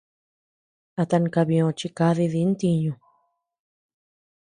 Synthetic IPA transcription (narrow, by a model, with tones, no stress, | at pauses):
a˧t̪a˧ŋ̃˧ka˧βĩ˧õ˧t͡ʃi˧ka˧ði˧ði˧˦nt̪i˧ɲũ˧